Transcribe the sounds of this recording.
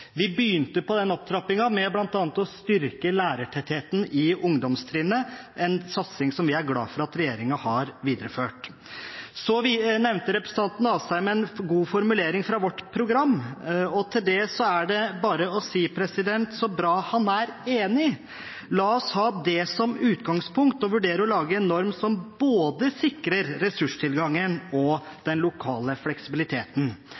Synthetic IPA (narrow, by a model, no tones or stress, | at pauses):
ʋɪbyːnt̪əpɔd̪ɛnɔp̚t̪ʰɾɑpɪŋɑmɛblɑnt̪ɑːnət̪ɔst̪ʏɾkəlæːɾəʈʰɛt̪heːt̪n̩ɪʊŋd̪ɔmst̪ʰɾiːnəʔɛnsɑt̪sɪŋsɔmʋɪæɾɡlɑ̰ːfɔɾɑt̪ɾɛjeːɾɪŋɑhɑɾʋiːd̪ɾəføːʈ | sɔʋnɛʋnt̪əɾɛpɾəsn̩ʰɑnt̪n̩ɑːsæɪmɛɛnɡuːfɔɾmʉleːɾɪŋfɾɑʋɔʈːpʰɾʊɡɾɑmːɔt̪ʰɪld̪ɛsɔæɖɛbɑːɾəɔsiːpʰɾɛsɪd̪ɛnt̪sɔbɾɑːhɑnæɾeːnɪ | lɑːɔshɑːd̪ɛsɔmʉːt̪ɡɑŋspʰʊŋk̚t̪ɔʋʉɖeːɾəɔlɑːɡəɛnːɔɾmsɔmboːd̪əsɪkɾəɾːɛsʉʂt̪ʰɪlɡɑŋːənɔd̪̥ɛnlʊkʰɑːləflɛksɪbɪlɪt̪ʰeːt̪n̩